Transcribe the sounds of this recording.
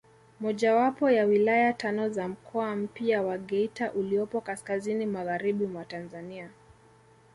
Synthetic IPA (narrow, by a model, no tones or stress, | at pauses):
mɔʄawapɔjawilajatanɔzam̩kʰɔam̩piawaɡɛitaʔuliɔpɔkaskazinimaɣaɾiɓimwatanzania